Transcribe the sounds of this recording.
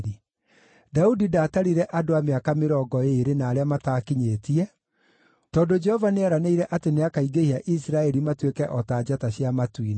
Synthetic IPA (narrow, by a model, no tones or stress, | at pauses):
ɾi | daudidaːtaɾiɾɛʔadoameakameɾɔːɡɔeɾenaːɾeamataːkiɲeːtiɛ | tɔːdod͡ʒɛhɔvaneaɾaneiɾɛʔateneakaiɡehiaʔisɾaɛɾimatwekɛʔɔtad͡ʒataɕjamatwin